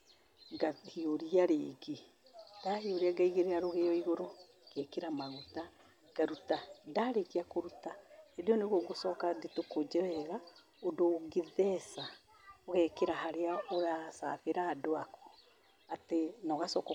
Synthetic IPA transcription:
ɡahioɾiaɾeːɡe | d̥ahioɾiaɡaiɣeɾeaɾoɣejɔiɣoɾo | kɛkeɾamaɣuta | ɡ̥aɾutandaɾeɣiakoɾutaediɔneɣoɡosɔkadetokod͡ʒɛβɛɣa | odoɡeðɛsa | oɣɛkeɾahaɾeaoɾasa̰βeɾaːdoakɔ̥ | atenɔɣasɔːkɔ

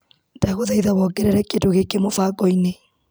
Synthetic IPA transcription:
daɣoðaiðaβɔɡeɾɛɾɛkedoɣekemofaɡɔine

